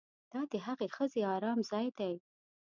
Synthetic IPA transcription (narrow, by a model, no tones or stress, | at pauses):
d̪̥ɑd̪əɦaɣexəzeɑɾɑmzɑjd̪aj